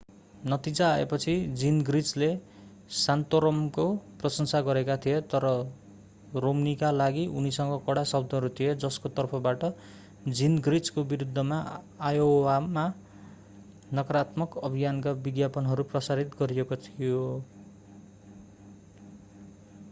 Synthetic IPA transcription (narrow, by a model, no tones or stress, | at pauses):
nʌt̪id͡zaːḛpʌt͡sʰid͡zinɡrit͡sle | sant̪oɾʌmkkoprʌsʌnsaɡʌɾekat̪ʰijet̪ʌɾʌ | romnikalaɡiʔunisʌŋɡʌkʌɽasʌb̚d̪ʱʌɦʌɾut̪ʰijed͡zʌskot̪ʌrpʰʌbaʈʌ | d͡zinɡrit͡skobiɾud̪ʱːʌma | ajowama | nʌkʌɾat̪mʌkʌbʱijankabiɡjapʌnɦʌɾuprʌsaɾit̪ɡʌɾiekot̪ʰijo